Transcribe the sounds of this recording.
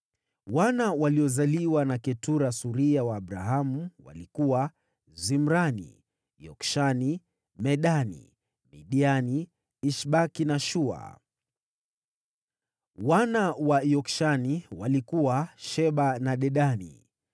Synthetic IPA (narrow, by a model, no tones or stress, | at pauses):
wanawaliɔzaliwanakɛtuɾasuɾiawaːɓɾa̰ɦamuwa̰likuwa | zim̩ɾanḭ | jɔ̰kʃani | mɛɗanḭ | mḭɗianiː | ʃɓakinaʃua̰ | wanawajɔkʃaniwalikuwaʃɛɓanaɗɛɗanḭ